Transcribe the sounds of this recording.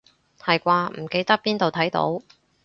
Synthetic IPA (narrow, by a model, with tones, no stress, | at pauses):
hɐ˨jkʷaː˧m̩˨˩ke˧jt̪ɐ˥k̚piː˥nt̪o˨wt̪ʰɐ˨˥jt̪o̰˨˥w